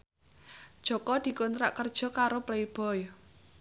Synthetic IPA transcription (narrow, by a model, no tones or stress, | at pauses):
d̥ʒ̥ɔ̤kɔd̪̥i̤kont̪ɾa̰ʔkərd̥ʒ̥ɔ̤kaɾopleib̥ɔj